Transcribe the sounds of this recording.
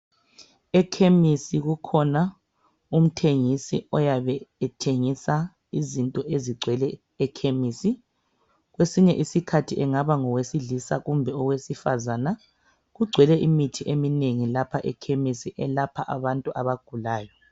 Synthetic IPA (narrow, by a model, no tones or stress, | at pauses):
ɛkʰemisiɣukʰɔna | um̩tʰeŋisḭɔjaβɛːtʰeŋisa | izintʼɔʔeziɡ͡ǀʱwɛlɛː | kʰemiːsi | ɣwesiɲɛʔisikʰatʰiʔɛŋaβaŋɔwesiɮisa̰ɣumbʱɛɔɣwesifazana | ɣuɡ͡ǀʱwɛlɛʔimitʰiʔemineŋilapʰaʔɛkʰemisiʔɛlapʰaʔaβantʼuʔaβaɡ̥ʱulaːjɔ